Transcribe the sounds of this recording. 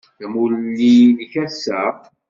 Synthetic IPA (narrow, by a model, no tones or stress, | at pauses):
θæmullːilçæsːæ